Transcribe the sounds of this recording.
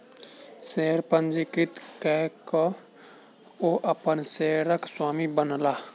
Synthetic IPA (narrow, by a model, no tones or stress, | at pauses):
seːɾpənd͡ʒikɾɪt̪kɛkɔ | oːʔəpənseːɾəkswaːmibənlaː